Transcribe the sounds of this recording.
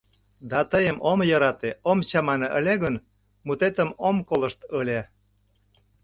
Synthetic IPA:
d̪ɑt̪əjəmomjɑɾɑt̪eomt͡ɕɑmɑnɤʔəlʲeɣən | mut̪et̪əmomkolə̆ʃt̪əlʲe

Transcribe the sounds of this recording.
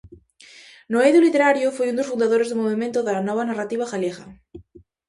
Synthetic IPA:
noeðjulit̪eɾaɾjofojund̪osfund̪aðoɾezðomoβimẽnt̪ʊðanɔβ̞anarat̪iβ̞axaljeɣɐ

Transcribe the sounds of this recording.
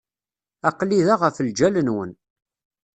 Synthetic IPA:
æqliðaʁəfəld͡ʒælənwə̰n

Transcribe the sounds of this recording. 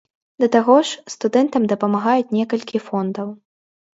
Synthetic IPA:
d̪ɐt̪aɣɔʂst̪ud̪ɛnt̪ɐmd̪ɐpɐmaɣajut͡sʲnʲɛkɐlʲkʲifɔnd̪ɐw

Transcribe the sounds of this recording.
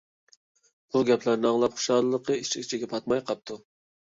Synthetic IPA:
b̥uɡʲɛpʰlæɾnɪɑŋlˠɑpχʊ̥ʃɑlˠəlˠəqʰəit͡ʃʰikʲt͡ʃʰiɡʲɛpʰɑt̪mɑjqʰɑp̚t̪ʰu

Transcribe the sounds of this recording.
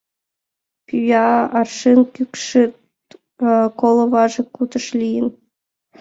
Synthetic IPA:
pʲyjɑɑrʃenkykʃe | kolˠoβɑʒĕkut̪əʃlʲijən

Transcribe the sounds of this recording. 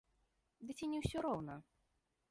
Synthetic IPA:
d̪ɨt͡sʲɛnʲɛwsʲɔɾɔwnɐ

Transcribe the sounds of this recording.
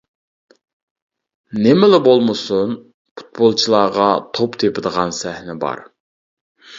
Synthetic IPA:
nɪmɪlɪbolˠmɨsun | pʰu̥t̪̚bolˠt͡ʃʰilˠɑːʁɑt̪ʰopt̪ʰepɪd̪əʁɑnsæhnɪbɑ̰ɾ

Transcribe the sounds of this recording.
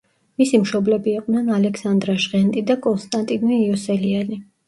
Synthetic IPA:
misimʃɔblɛbiːqʼnɛnalɛkʰsand̪ɾaʃʁɛnt̪ʼid̪akʼɔnst̪ʼant̪ʼinmiːɔsɛliani

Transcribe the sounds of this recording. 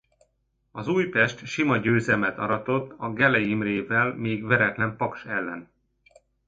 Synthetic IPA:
ɒzuːjpɛʃt̪ʃimɒɟøːzɛmɛt̪ɒ̰ɾɒt̪o̞t̪ːɒɡɛlɛjimreːvɛlmeːɡvɛɾɛt̪lɛmpɒkʃɛlːɛ̰n

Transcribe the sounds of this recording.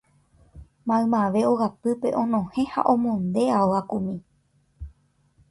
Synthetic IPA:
mãɨ̃mãʋe̞oɣapɨpe̞ʔõ̞nõhẽha̰ʔõmõnd̪e̞aoakumĩ

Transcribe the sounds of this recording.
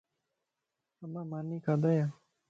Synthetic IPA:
ɐmaːmaːniːkaːd̪aja

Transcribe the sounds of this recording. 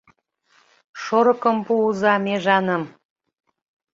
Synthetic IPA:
ʃoɾɤ̆kə̆mpuuzɑmeʒɑnəm

